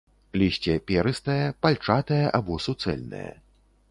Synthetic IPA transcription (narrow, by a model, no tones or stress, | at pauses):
lʲisʲt͡sʲɛpʲɛɾɨst̪ɐjɐpalʲt͡ʂat̪ɐjɐʔabɔsut̪sɛ̰lʲnɐ̰jɐ̰